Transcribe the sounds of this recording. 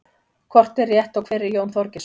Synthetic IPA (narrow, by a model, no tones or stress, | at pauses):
kʰvɔr̥t̪ɛrjɛht̪awkʰvɛːɾɪɾjownθɔɾcɪs